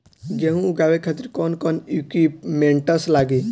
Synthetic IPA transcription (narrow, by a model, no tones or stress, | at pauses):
ɡeɦũɡaːʋekʰat̪iɾkɔːnkɔnikipmẽɳʈəslaːɡi